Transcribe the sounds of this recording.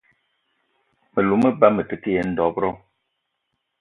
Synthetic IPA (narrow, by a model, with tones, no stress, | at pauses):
mə˨lu˨mə˦ba˦mə˨tə˨ke˦jɛ˨˦n̩˦dɔ˨˦bɾɔ˦